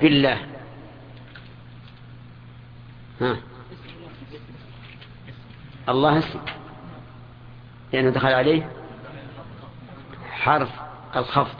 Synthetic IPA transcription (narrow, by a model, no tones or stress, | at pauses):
bɪlːaːh | ha | ʔɑlˤːɑːhasi | lɪʔanːad̪axalʕaleːh | ħɑɾˤf | ʔalxɑfd̪ˤ